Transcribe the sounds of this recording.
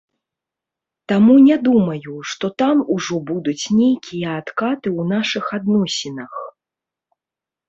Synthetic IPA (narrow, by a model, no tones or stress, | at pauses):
t̪amunʲɛd̪umɐjuʂt̪ɔt̪amuʐɔbud̪ut͡sʲnʲejkʲijɐat̪kat̪ɨwnaʂɨxad̪nɔsʲinɐx